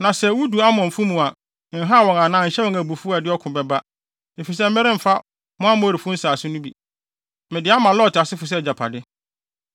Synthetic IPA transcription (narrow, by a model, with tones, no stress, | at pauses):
nã˨sɛ˨˦wu˦du˨a˦mɔ̃˨m̩˨fu˦mũ˨a˨ | n̩˨ɦa˦˨wɔ̃˨ŋã˨nãː˨ɲ̩˨ɕɛ˦wɔ̃˨ŋæ˨bu˨fu˦a˨dɪ˦ɔ˦kʰʊ̃˨bɛ˨ba˦ | e˨fi˨s̬ɛ˦m̩˦mɛ˦ɾɪ̃˦m̩˨fa˦ | mʊ̃˦a˦mʊ̃˦˨ɾi˨fu˦n̩˦saː˨sɪ˦nʊ̃˦bi˨ | mɪ̃˨dɪ˨˦a˦mã˨lɔ˦˨tʰɪ˨a˨sɪ˦fʊ˨s̬ɛ˦˨d͡ʑa˨pʰa̰˨dɪ˦